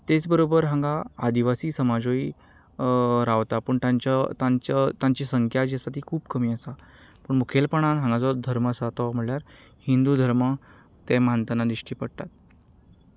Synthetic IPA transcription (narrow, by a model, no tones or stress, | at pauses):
t̪et͡sbəɾobəɾɦãŋɡaːd̪iʋasiːsəmad͡zoi | ɾaʋt̪apəːɳt̪aɲt͡ɕat̪at͡ɕt̪ãɲt͡ɕisəŋkʰjad͡ʑesat̪̬iːkʰuːbkəmiːəsa | pəːɳmukʰelpəɳanɦãŋɡat͡sɔd̪ʱəɾməsat̪ɔm̤əɽljaɾ | hind̪ud̪ʱəɾmə | t̪ɛ̃mant̪ənad̪ɾiʂʈiːpəɽt̪a̰t̪